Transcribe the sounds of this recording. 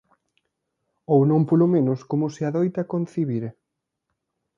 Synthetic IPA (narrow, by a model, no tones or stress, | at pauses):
ownõmpolomẽnʊskomʊsɪaðojt̪akon̟θiβiɾe